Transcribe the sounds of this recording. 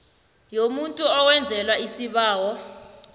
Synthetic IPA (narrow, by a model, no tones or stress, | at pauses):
jomuntʼuɔwɛnd͡zʱɛlwaisiɓaːwɔ